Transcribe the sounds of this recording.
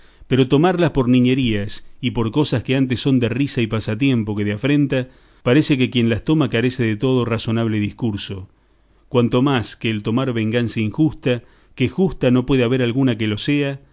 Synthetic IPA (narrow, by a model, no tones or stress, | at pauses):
peɾo̞t̪o̞maɾlaspo̞ɾnĩɲeɾiasipo̞ɾko̞saskeant̪̬esːo̞nd̪erisaipasat̪̬je̞mpo̞keðeafɾe̞nt̪a | paɾe̞se̞k̬e̞kjenlast̪o̞makaɾe̞se̞ðet̪o̞ð̞o̞raso̞naβ̞leðihkuɾso̞ | kwant̪o̞maskeːlt̪o̞maɾβe̞ŋɡansaiŋxust̪a | kexust̪ano̞pwe̞ð̞eaβ̞e̞ɾalɣunak̬elo̞se̞a